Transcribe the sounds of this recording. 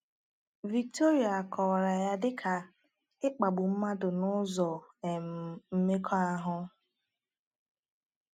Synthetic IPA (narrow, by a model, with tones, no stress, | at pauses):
vi˨k̚to˦ɾi˨a˨a˨kʰɔ˨ɾa˨ja˦dɪ˦kʰa˨ | ɪ˦k͡pa˨ɡ͡bʊ˨m̩˦ma˦dʊ˨nʊ˦zɔ˨e˨m̩˨m̩˦me˦kʰɔ˦a˦ɦʊ˦